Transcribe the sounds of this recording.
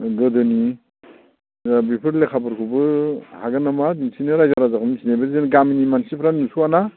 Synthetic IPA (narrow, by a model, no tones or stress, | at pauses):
ɡɯdɯni | abipʰɯɾlekʰabɯɾkʰubɯhaɡɯnamadinsinɯɾajzaɾazakʰɔmsinabɯzenɡaminimansipʰɾanusuana